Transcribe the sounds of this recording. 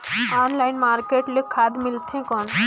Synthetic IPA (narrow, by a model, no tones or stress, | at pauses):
anlaːɪnmaːɾkeːʈlekʰaːd̪milt̪ʰẽkɔɳ